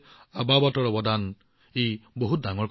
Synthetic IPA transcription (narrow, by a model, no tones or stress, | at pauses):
ababɔtɔɹɔbɔd̪an | ejboɦut̚daŋɔɹk